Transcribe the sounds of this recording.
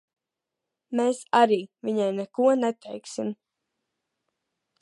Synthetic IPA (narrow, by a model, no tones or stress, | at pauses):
meːsaɾiːvʲiɲajnɛkuɔnɛt̪ʰɛjksim